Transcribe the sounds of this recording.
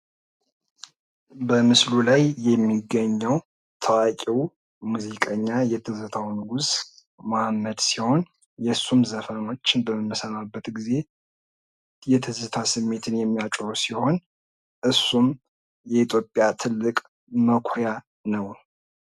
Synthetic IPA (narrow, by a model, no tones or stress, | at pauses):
bəmɨslulajjɛmːiɡːəɲːəw | t̪ʰəwakʼiw | muzikʼəɲːajɛt̪ʰɨzɨt̪ʰawnɨɡus | mamːəd̪siho̞n | jɛsːumzəfəno̞t͡ʃːɪnbəmɨmːəsəmabːət̪ɡize̞ | jɛt̪ʰɨzɨt̪ʰasɨmːe̞t̪ʰɨnjɛmːijat͡ʃʼɾusiho̞n | ʔɨsːum | jɛit̪ʰjo̞pʼjat̪ʰɨlːɨkʼ | məkʰoja | nəw